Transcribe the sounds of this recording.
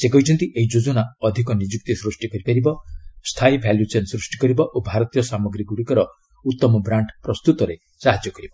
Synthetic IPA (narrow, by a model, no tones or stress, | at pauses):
sekɔjt͡ʃʰɔnt̪iʔeid͡ʒod͡ʒɔnaɔd̪ʱikɔnid͡ʒuk̚t̪isɾusʈikɔɾipaɾibɔst̪ʰajbʱɛljut͡ʃensɾusʈi̥kɔɾibɔʔobʱaɾɔt̪ijɔsamɔɡɾiɡuɽikɔɾɔ | ut̪ːɔmɔbɾaɳʈpɾɔst̪ut̪ɔɾe | saɦad͡ʒjɔkɔɾibɔ